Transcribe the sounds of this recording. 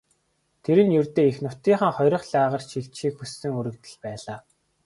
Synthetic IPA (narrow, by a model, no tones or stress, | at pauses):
t̪ʰeɾɘ̆njɵrt̪eːixnʊt̪iːɴχə̆ŋχɔjɾɞ̆χɮaːʁə̆rt͡ɕʰiɬt͡ɕʃiːkxusːɘ̆ŋɵɾɵ̆kt̪ɘ̆ɮpæːɮaː